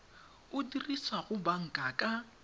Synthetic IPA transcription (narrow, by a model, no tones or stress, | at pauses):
ʊdirisaɣʊbaŋ̩kʼakʼa